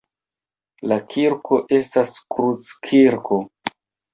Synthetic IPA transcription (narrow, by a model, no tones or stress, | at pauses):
lakʰiɾkʰo̞ʔe̞staskɾut͡skʰiɾkʰo̞